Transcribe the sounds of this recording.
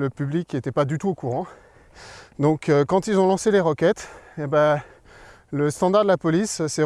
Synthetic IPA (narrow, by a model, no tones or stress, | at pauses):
ləpyblikʲet̪ɛpad̪yt̪uokuʁɑ̃ | d̪ɔ̃kkɑ̃t̪ilzɔ̃lɑ̃seleʁɔkʲɛt̪ebɛ | ləst̪ɑ̃d̪aʁd̪əlapɔlissɛ